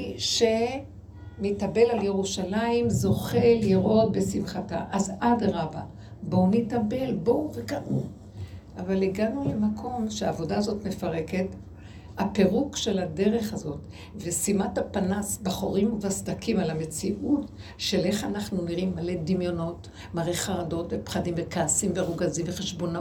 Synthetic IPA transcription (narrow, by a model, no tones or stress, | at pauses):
ʃe̞ | mitabe̞lalje̞ʁuʃalaimzo̞χe̞leʁʔo̞t̚be̞simχata̰ʔazadʁaba | bo̞mitabe̞lbovekaʔu | ʔavaliɡanule̞makʰo̞mʃea̰ːvo̞daːzo̞tme̞faʁe̞ke̞t | hape̞ʁukʃe̞lade̞ʁe̞χazo̞t | vesimatapanasbaχoʁimuvasd̪akimalame̞t͡siʔut | ʃe̞lʔe̞χanaχnuniʁimːale̞dimjo̞no̞t | maʁeχaʁado̞tvepχadimvekaːsimveʁuɡazimveχe̞ʃbo̞na